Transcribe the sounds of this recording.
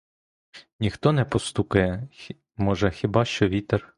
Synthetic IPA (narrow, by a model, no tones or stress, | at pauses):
nʲixt̪ɔnɛpɔst̪ukɐjɛ | mɔʒɛxʲibɑʃt͡ʃɔʋʲit̪ɛr